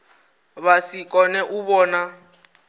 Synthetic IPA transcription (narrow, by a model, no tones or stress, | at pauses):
βasikʼɔnɛʔuβɔːna